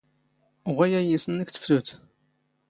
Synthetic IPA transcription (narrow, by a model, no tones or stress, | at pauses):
ʁʷæjæjisənəkθə̥fluθ